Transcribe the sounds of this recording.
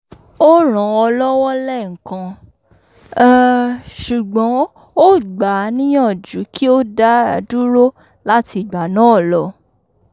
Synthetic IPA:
o˦ɾ̃ã˨˧ɔ˧lɔ˦wɔ˦lɛ˦˨ŋ̩˨kã˧˦ | ʃu˨ɡ͡bɔ̃˨˦ | o˦ɡ͡ba˨˦nĩ˦jã˦˨d͡ʒu˨˦ki˦o˦da˦a˨˧du˦ɾo˦ | la˦ti˧˨ɡ͡ba˨˦nã˨˦ɔ˦˨lɔ˧˦

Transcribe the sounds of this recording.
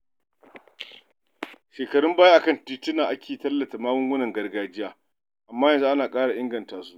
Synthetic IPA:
ʃeː˨kɐ˨ɽʊ˦mbaː˦ja˦ʔa˨kɐ˦˨ntiː˦tɪ˦naː˨ʔa˦kʲʰeː˨tɐ˦lːɐ˨ta˨maː˦wʊ˦ŋɡʊ˦nɐ˨ŋɡɐ˦rɡaː˦d͡ʒɪ˦jaː˦ | ʔa˨mːaː˦jɐ˨nzu˦ʔa˦naː˨kʼaː˦ɽa˨ʔɪ˦ŋɡɐ˨ntaː˨su̥˦

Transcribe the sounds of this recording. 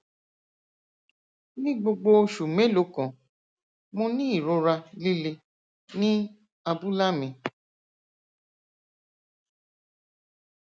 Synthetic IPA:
nĩ˦ɡ͡bo˧ɡ͡bo˧ʃu˨mẽ˨˦lo˨˦kã˨ | mũ˧nĩ˦i˦˨ɾo˧ɾa˧li˦le˧ | nĩ˦ | a˧bu˦la˦mĩ˧˨

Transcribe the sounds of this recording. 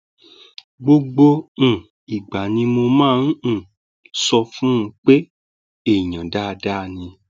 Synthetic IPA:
ɡ͡bo˧ɡ͡bõ˧˨ | i˨ɡ͡ba˨nĩ˧mo˧mãː˦ñ̩˦˨ | sɔ˧fũ˦˧k͡pe˦ | e˦˨ɲã˨da˦˧da˦˨nĩ˧

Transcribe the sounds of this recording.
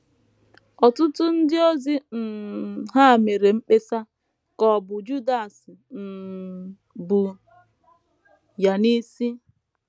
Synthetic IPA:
ɔ˨tʊ˦tʊ˦n̩˦dɪ˦o˦zi˦n̩˨ɦa˦˨me˨ɾe˨m̩˦k͡pe˦sa˦ | kɔ˨bʊ˨d͡ʒu˦da˨sɪ˨m̩˨ | bu˨ | ja˨ni˦si˦

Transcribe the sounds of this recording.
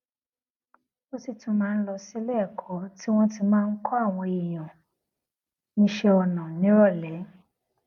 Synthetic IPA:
o˦si˦˨tũ˨˦mãː˦˧n̩˦lɔ˧si˦lɛ˦˨kʰɔ˨˦ti˦w̃ɔ̃˦ti˧mãː˦˧n̩˦kʰɔ˦a˦˨w̃ɔ̃˧i˨j̃ɔ̃˨ | nĩ˧˦ʃe˧ɔ˧nã˨nĩ˨˦ɾɔ˦˨lɛ˨˦

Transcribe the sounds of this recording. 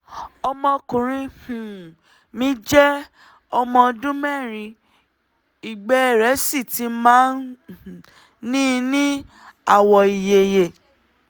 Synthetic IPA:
ɔ˧mɔ̃˧kũ˨ɾ̃ĩ˧hũ˨ | mĩ˦d͡ʒɛ˦ | ɔ˧mɔ̃˧dũ˦mɛ̃˦˨ɾĩ˧ | i˨ɡ͡bɛ˨˦˨ɾɛ˨˦si˦˨ti˨˦mãː˦n˨ | nĩ˦˧nĩ˦ | a˦˨wɔ˨i˨je˨je˨

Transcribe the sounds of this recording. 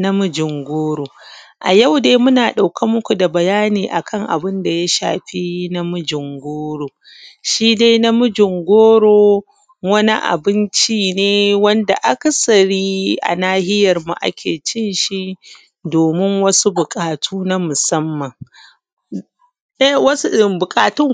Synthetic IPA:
na˦mʊ˦d͡ʒɪ˨ŋɡʷoː˦ɽoː˨ʔa˨ja˦˨wdeː˦mʊ˦naː˨ɗa˨wkʰa˦mʊ˦kʷu˨da˨bɐ˨jaː˦niː˨ʔa˨kʰɐ˦˨ŋʔa̰˨bɪ˦nda˨ja˦ʃa̰ː˨ɸi˦na˦mʊ˦d͡ʒɪ˨ŋɡʷoː˦ɽoː˨ | ʃiː˦da˦jna˦mʊ˦d͡ʒɪ˨ŋɡʷoː˦ɽoː˦ | wɐ˦ni˦ʔa̰˨bɪ˦nt͡ʃiː˦neː˦wɐ˦nda̰˨ʔa˦kɐ˨sɐ˨ɽiː˦ʔa̰˨naː˦hɪ˦jɐ˨rmu˨ʔa̰˦kʲḛː˨t͡ʃɪ˦nʃi˦ʔ | doː˨mɪ˦ŋwɐ˦su˦bʊ˨kʼaː˨tʰuː˦na˦mʊ˨sɐ˦mːɐ˨ŋ | ʔɛ˦˨wɐ˦sɪ˦˨bʊ˨kʼaː˨tʊ˦ŋ

